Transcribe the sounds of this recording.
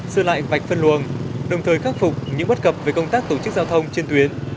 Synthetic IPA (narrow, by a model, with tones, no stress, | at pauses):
sɨː˧la̰ː˧˨jva˨˩jk̟fə˧nlu˨˩ənɗə˨˩wŋ͡mt̪ʰəː˨˩jxaː˦˥k̚fʊ˨˩k͡p̚ɲɨ̰˧˥ŋɓə˦˥t̚kə˨˩p̚ve˨˩kə˧wŋ͡mt̪aː˦˥k̚t̪o˧˩t͡ɕɨ˦˥k̚zaː˧wt̪ʰə˧wŋ͡mt͡ɕe˧nt̪wi˨˦ən